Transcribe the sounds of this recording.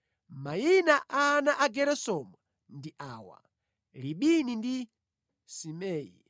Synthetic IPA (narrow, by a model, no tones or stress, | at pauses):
majinaʔaːnaʔaɡɛɾɛsɔma | ndiʔaːwa̰ | liɓinindi | simɛːji